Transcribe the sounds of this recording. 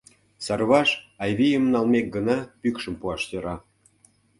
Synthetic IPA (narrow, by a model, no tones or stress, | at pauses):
sɑrβɑʃɑjβijəmnɑlmek̚ɡənɑpykʃə̆mpuɑʃt̪ʲə̆ɾɑ